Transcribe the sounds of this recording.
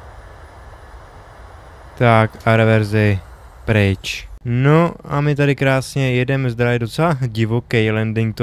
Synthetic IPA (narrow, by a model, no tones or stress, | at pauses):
t̪akʔaɾɛvɛɾzɪ | pɾɪt͡ʃnoʔamɪt̪adɪkɾaːsɲɛjɛdɛmzd̪ɾaɪdo̞t͡sɛlaɟɪvokɛjlɛndɪŋk̚t̪o